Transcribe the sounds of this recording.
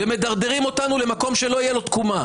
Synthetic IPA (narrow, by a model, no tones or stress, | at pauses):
veme̞d̪aʁd̪eʁimo̞t̪anule̞mako̞mʃe̞lo̞ijelo̞t̪kuma